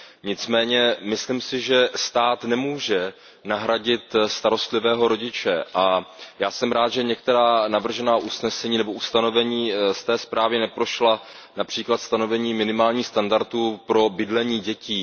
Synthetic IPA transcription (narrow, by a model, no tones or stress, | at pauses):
ɲɪt͡smɛːɲɛmɪslimsɪʒɛst̪aːt̪nɛmuːʒɛ | naɦɾaɟɪt̪st̪aɾo̞st̪lɪvɛːɦo̞ɾo̞ɟɪt͡ʃɛʔajaːsɛmɾaːt̪ʒɛɲɛk̚t̪ɛɾaːnavr̩ʒɛnaːʔusnɛsɛɲiːnɛboʔust̪ano̞vɛɲiːst̪ɛːspɾaːvɪnɛpɾo̞ʃla | napr̥iːklat̪st̪ano̞vɛɲiːmɪnɪmaːlɲiːxst̪andaɾt̪uːpɾo̞bɪdlɛɲiːɟɛciː